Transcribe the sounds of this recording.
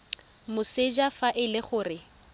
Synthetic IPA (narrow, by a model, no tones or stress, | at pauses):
mʊsed͡ʒafaʔɪlɪχʊːrɪ